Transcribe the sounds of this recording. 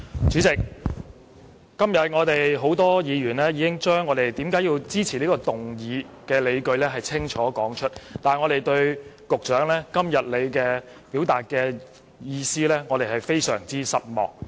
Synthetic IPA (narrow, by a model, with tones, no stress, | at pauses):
t͡ʃyː˨˥t͡sɪ˨˩k̚ | kːɐ˥mjɐ˨t̚ŋɔː˨˧t̪e˨jɦo˨˥wt̪ɔː˥jiː˨˧ɥyː˨˩nlɛː˥jiː˨˧kɪ˥ŋt͡ʃœː˥ŋːɔː˨˧t̪e˨jt̪iː˨˥mkaː˨˥ji˧wt͡siː˥t͡sʰiː˨˩liː˥kɔː˧t̪ʊ˨ŋjiː˨˧kɛː˧le˨˧jkɵ˧ɥlɛː˥ɦɐ˨jt͡sʰɪ˥ŋt͡ʃʰɔː˨˥kɔː˨˥ŋt͡ʃʰɵ˥t̚t̪aː˨ŋɔː˨˧ɾe˨jt̪ɵ˧ɥkʊ˨k̚t͡ʃœː˨˥ŋlɛː˥kɐ˥mjɐ˨t̚le˨˧jkɛː˧ | piː˨˥wt̪aː˨˩t̚kɛː˧ | jiː˧siː˥lɛː˥ŋɔː˨˧t̪e˨˩jɦɐ˨˩jfe˥jsœː˨˩ŋt͡siː˥sɐ˥t̚mɔ̰ː˨˩k̚